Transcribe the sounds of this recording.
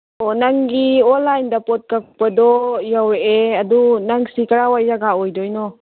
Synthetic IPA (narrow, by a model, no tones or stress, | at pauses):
onaŋɡiolajnd̪apɔt̪̚kakpəd̪ojaweʔeadunaŋsikaɾawajaɡaojdoino